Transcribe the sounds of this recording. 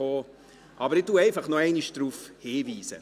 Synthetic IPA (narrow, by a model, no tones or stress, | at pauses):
oː | ʔɑbəɾɪtuːɛɪfɑχnɔɛɪniʃd̥ɾuːfheːviːsə̰